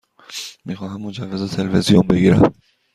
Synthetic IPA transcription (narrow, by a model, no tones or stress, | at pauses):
miːxɒːɦæmːod͡ʒævːezot̪ʰelevezijombeɡiːɾæ̰m